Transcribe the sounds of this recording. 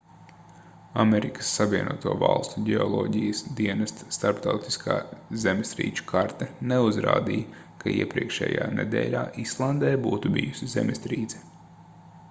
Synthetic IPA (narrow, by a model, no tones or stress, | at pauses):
ameɾikə̥sːavʲiɛnuɔt̪uɔːva̰lˠst̪uɟɛɔlˠɔːɟijəsd̪iɛnɐst̪ːt̪aɾpt̪awt̪i̥skʰa̰ːzemst̪ɾḭːt͡ʃu̥kʰaɾt̪ɛneuzɾa̰ːd̪ijɐ | kʰaiɛpɾiɛkʃɛ̰ːja̰ːnḛd̪ɛ̰ːlʲaːʔislˠand̪ɛːbuːt̪ubḭjusʲizḛmest̪ɾiːd̪zɛ̥